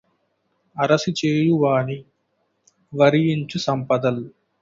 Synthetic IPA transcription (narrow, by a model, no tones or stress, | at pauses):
ɐɾɐsit͡ʃeːjuʋaːɳi | ʋɐɾijiɲt͡ʃusɐmpɐd̪ɐl